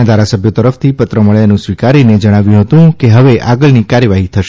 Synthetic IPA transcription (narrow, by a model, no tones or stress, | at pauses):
ad̪ʱaɾasəbʱjot̪əɾəft̪ʰipət̪ɾəməɭeanũsʋikaɾined͡ʒəɽ̃aʋjũɦət̪ũkeɦəʋeʔaɡəɭnikaɾjəʋaɦit̪ʰəʃe